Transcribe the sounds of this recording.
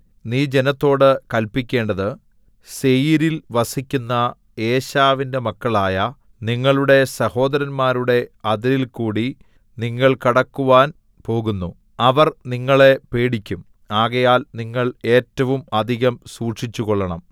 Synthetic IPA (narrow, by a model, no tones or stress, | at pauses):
niːd͡ʑenɐt̪ːo̞ːɽɨkɐlpikʲːe̞ːɳɖɐðɨ | se̞jiɾilʋɐsikʲːunːɐ | e̞ːɕaːʋinde̞mɐkːɐɭaːjɐ | niŋːɐɭuɽe̞sɐho̞ːd̪ɐɾɐnmaːɾuɽe̞ɐðɐɾilkuːɽi | niŋːɐɭkɐɽɐkːuʋaːn | po̞ːɣunːu | ɐʋɐrniŋːɐɭe̞pe̞ːɽikʲːum | aːɣɐjaːlniŋːɐɭe̞ːtːɐʋumɐd̪ʱiɣɐmsuːʈʂit͡ɕːuɣoɭːɐɳɐm